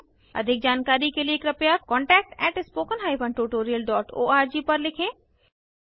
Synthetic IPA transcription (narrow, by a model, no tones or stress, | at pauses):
ɐ̰d̪ʱɪk̚d͡ʒaːnkaːɾikelieːkɾɐpjaːkɔ̃ːɳʈɛːk̚ʈɛːʈɪspoːkənɦaːjbə̃ɳʈoːɾʈoːɾijəlɖɔːʈo̰ːaːɾd͡ʒipɐɾlɪkʰẽː